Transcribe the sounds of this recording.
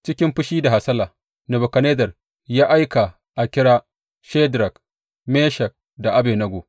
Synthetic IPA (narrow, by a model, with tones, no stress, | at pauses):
t͡ʃɪ˦kʲɪ˦mɸʊ˦ʃiː˦da˨ɦa˨sɐ˦laː˨ | nɐ˨bo˨kɐ˨ne˦dɐ˨r | jaː˦ʔa˦jka˨ | ʔa˨kʲɪ˦ɽaː˦ | ʃe˦dɾɐ˨k | meː˦ʃɐ˨k̚ | da˨ʔa˦beː˨nɐ˦ɡʷoː˨